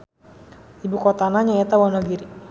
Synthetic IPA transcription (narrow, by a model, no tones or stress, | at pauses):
ibukɔt̪anaɲaɛt̪awɔnaɡiɾi